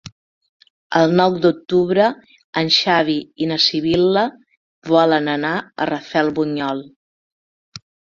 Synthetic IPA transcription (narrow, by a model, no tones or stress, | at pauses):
əlˠnɔwd̪uk̚t̪uβɾə | ənʲʃaβ̞iinəsiβ̞ilə | βɔlənənaə̰rəfɛlˠβuɲɔlˠ